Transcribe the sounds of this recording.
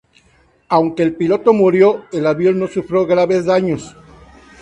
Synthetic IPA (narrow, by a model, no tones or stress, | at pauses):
awŋkeːlpilo̞t̪o̞muɾjo̞elaβjo̞lno̞sufɾo̞ɣɾaβe̞zðaɲo̞s